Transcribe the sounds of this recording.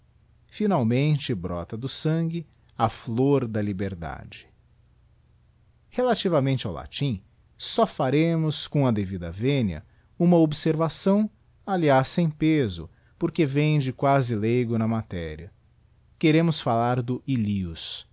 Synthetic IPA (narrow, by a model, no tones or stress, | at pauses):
finawmẽnt͡ʃɪbɾɔ̰t̪ɐd̪ʊsɐ̃ɡɪ | ɐfloɾd̪ɐlibeɾd̪a̰d͡ʒɪ̥ | helat͡ʃivɐmẽnt͡ʃɪawla̰t͡ʃĩ | sɔfaɾẽmʊskõw̃ɐd̪evid̪ɐvẽniɐ̰ | ũmɐobseɾvasɐ̃w̃ | aliasːẽj̃pezʊ̰ | poɾkevẽj̃d͡ʒɪkwazɪlejɡʊnɐmat̪ɛɾiɐ | keɾẽmʊsfalaɾd̪ʊʔiliʊs